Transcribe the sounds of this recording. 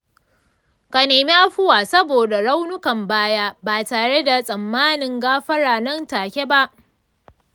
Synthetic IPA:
ka˨neː˨mi˦ʔa˦ɸʊ˦waː˨sɐ˦boː˨da˨ɽa˦wnʊ˦kɐ˨mbaː˦jaː˦baː˨taː˨ɽe˦da˨sʼɐ˨mːaː˦nɪ˨ŋɡaː˦ɸɐ˦ɽaː˨nɐ˦ntaː˨kʲe˦ba˦ʔ

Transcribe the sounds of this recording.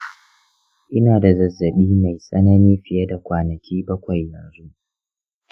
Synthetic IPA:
ʔɪ˦naː˨da˨zɐ˨zːɐ˨ɓiː˦ma˨jsʼɐ˦nɐ˦niː˦ɸɪ˨jɐ˦da˨kʷaː˨nɐ˨kʲʰiː˦bɐ˦kʷa˨jːɐ˨nzu˦

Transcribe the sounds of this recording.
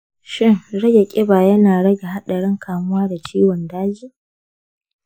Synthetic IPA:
ʃɪ˦ŋɽɐ˦ɡʲe˨kʲʼɪ˦baː˨jɐ˦naː˨ɽɐ˦ɡʲe˨ɦa˦ɗɐ˨ɽɪ˦ŋkʰaː˨mʊ˦waː˦da˨t͡ʃiː˦wɔ˨ndaː˦d͡ʒiː˦

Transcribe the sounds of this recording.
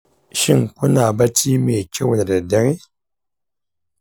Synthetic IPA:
ʃi˦˨ŋ˨ku˦na˨ba˦ti˦me˨kʲe˦wu˨a˨da˨de˨˦ŋi˦

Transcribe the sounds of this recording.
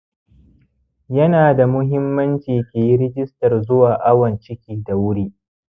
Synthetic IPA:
jɐ˦naː˨da˨mʊ˦ɦɪ˦mːɐ˦nt͡ʃiː˨kʲeː˨ji˦ɾɪ˦ɡʲɪ˦stɐ˨rzʊ˦waː˨ʔa˦wɐ˨nt͡ʃɪ˦kʲiː˦da˨wʊ˦ɽiː˦ʔ

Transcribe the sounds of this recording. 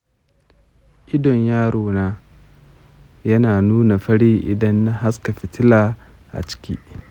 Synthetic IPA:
ʔɪ˦dɔ˨ɲjaː˦ɽoː˨naː˦ | jɐ˦naː˨nuː˦na˨ɸɐ˦ɽiː˦ʔɪ̰˨dɐ˦nːa˦ɦa˦ska˨ɸɪ˨tɪ˦laː˨ | ʔa̰˨t͡ʃɪ̥˦kʲḭː˦

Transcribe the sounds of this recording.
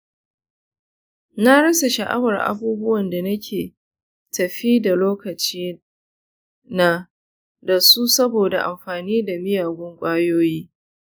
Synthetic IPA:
na˦ɽɐ˦sa˨ʃa˨ʔa̰˦wɐ˨rʔa̰˦buː˦bʊ˦wɐ˨nda˨nɐ˦kʲʰeː˨ | tɐ˨ɸi˦da˨loː˦kɐ˨t͡ʃiː˦ | na˦ | da˨su˦sɐ˦boː˨da˨ʔa̰˨mɸaː˨niː˦da˨mɪ˦jaː˨ɡʷʊ˦ŋkʷʼaː˦joː˦jiː˦

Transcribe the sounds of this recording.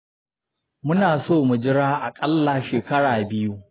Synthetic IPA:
mʊ˦naː˨soː˦˨mʊ˨d͡ʒɪ˦ɽaː˦ʔa˨kʼɐ˦lːa˨ʃeː˨kɐ˦ɽaː˨bɪ˦ju˦

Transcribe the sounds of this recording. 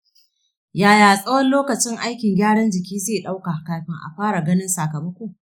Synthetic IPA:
jaː˨jaː˨sʼɐ˦wɔ˦nloː˦kɐ˨t͡ʃɪ˦ŋʔa˦jkʲɪ˨ŋɡʲaː˦ɽɐ˦nd͡ʒɪ˨kʲiː˦zeː˦˨ɗa˦wka˨hkaː˨ɸɪ˦ŋʔa̰˨ɸaː˦ɽa˨ɡɐ˦nɪ˦nsaː˨kɐ˨bɐ˦kʷu˦˨

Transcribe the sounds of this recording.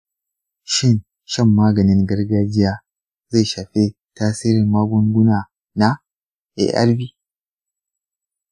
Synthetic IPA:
ʃɪ˦n | ʃɛ˦mːaː˦ɡɐ˨nɪ˦ŋɡɐ˦rɡaː˦d͡ʒɪ˦jaː˦ | za˦˨ʃaː˨ɸe˦ | taː˦siː˦ɾɪ˨mːaː˦ɡʷʊ˦ŋɡʷʊ˦naː˨ | na˦ | ʔḛ˨ʔɐ̰˦ɾbiː˦

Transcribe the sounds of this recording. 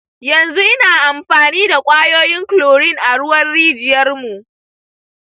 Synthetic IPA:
jɐ˨nzu˦ʔɪ˦naː˨ʔa˨mɸaː˨niː˦da˨kʷʼaː˦joː˦jɪ˦ŋkloː˨ɽɪ˦ŋʔa˨ɽʊ˦wɐ˦rːiː˦d͡ʒɪ˨jɐ˦rmu˨ʔ

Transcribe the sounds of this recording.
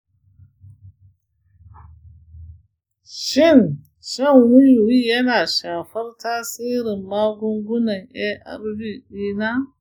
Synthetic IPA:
ʃɪ˦˨n | ʃɐ˦˨ŋwʊ˦ju˨wiː˦jɐ˦naː˨ʃaː˨ɸɐ˦rtaː˦siː˦ɾɪ˨mːaː˦ɡʷʊ˦ŋɡʷʊ˦nɐ˨ŋʔɛ˦ʔɐ̰˦˨ɾbiː˦˨ɗiː˦naː˦

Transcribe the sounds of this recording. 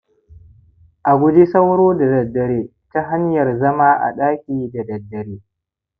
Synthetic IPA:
ʔa˨ɡʷʊ˦d͡ʒi˦sɐ˦wɽoː˦da˨dɐ˨dːɐ˨ɽeː˦ | ta˦ɦa˦ɲjɐ˨rzɐ˦maː˦ʔa̰˨ɗaː˦kʲiː˨da˨dɐ˨dːɐ˨ɽeː˦

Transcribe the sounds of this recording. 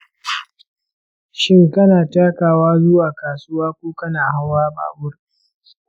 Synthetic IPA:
ʃɪ˦ŋkɐ˦naː˨taː˦kaː˨waː˦zʊ˦waː˨kaː˨sʊ˦waː˦kʷoː˦kɐ˦naː˨ɦa˦wwaː˦ba̰ː˨bʊ˦r

